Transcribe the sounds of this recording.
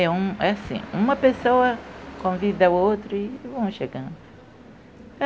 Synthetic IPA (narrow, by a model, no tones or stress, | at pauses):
ɛũɛasḭ̃ũmɐpesowɐkõvid̪ɐwowt̪ɾʊivɐ̃w̃ʃeɡɐ̃nd̪ʊ